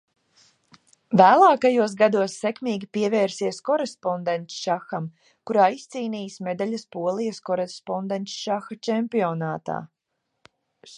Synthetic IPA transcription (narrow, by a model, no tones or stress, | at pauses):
væːlˠaːkajuɔs̬ɡad̪uɔsːɛkmiːɡʲipiɛvɛːɾsiɛskɔɾespɔnd̪ent̪ʃaxam | kuɾaːist̪siːniːjsmʲed̪alʲɐspuɔlˠijɐskɔɾespɔnd̪ɛnt̪sʃaxat͡ʃɛmpiɔnaːt̪a̰ː